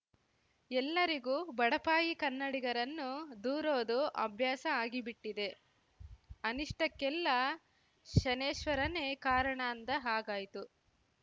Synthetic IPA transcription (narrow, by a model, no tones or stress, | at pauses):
ɛlːɐɾiɡuːbɐɽɐpaːjikɐnːɐɽiɡɐɾɐnːud̪uːɾoːd̪uʔɐ̰bʱjaːsɐaːɡibiʈːid̪e̞ | ɐniʂʈɐkːɛlːɐ | ʃɐneːʃʋɐɾɐne̞ːkaːɾɐɳaːnd̪ɐɦaːɡaːjit̪u